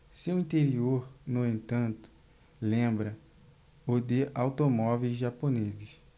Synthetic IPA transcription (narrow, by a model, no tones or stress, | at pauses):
seʊĩt̪eɾioɾnoẽnt̪ɐ̃nt̪ʊ̥ | lẽbɾɐ | ʊd̪ɪʔawt̪omɔvejzʒaponezɪs